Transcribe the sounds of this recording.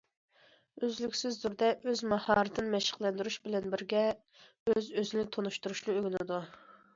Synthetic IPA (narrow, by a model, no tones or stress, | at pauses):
øzlykʲsɪzːuɾd̪ɛʔøzmɑhɑːɾɨt̪ʰɨnɨmɛʃɪ̥qlˠɛnd̪yɾuʃbɪlɛnbɪɾɡʲɛ | øzøzɪnɪt̪ʰonuʃt̪uɾuʃnɨøɡʲlɪd̪u